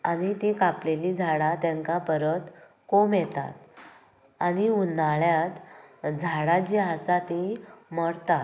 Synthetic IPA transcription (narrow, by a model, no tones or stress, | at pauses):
añit̪ikaplelid͡zʱaɽat̪jaŋkapəɾət̪ | komjet̪a̰t̪ | añiunaɭjat̪d͡zʱaɽad͡ʑeɦasat̪iməɽt̪at̪